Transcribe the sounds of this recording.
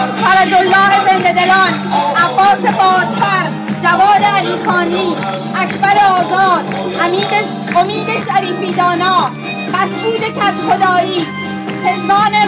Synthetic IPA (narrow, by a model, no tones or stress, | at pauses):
t̪ʰævæd͡ʒolːɒːhezend̪ed̪elɒːnʔæbːɒːsebɒːd̪̥fæɾ | d͡ʒævɒːd̪eæliːfɒːniː | ækʰbæɾeɒːzɒːd̪ | hæmiːde | ʔomiːd̪eʃæɾiːfiːd̪ɒːnɒː | fæsʔuːd̪ecʰæt̪ʰxod̪ɒːjiː | seʃmɒːne